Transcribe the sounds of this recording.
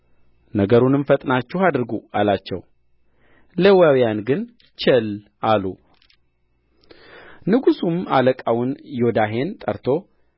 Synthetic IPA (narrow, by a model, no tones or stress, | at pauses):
nəɡəɾunɨmfət̪ʼnat͡ʃːɪhad̪ɾɨɡualat͡ʃːɛ̰w | ləwawjanɡɨn | t͡ʃʰɛl | ʔalu | nɨɡusuma̰ləkʼawʊnjo̞d̪aɦe̞nt̪ʼəɾt̪ʰo̞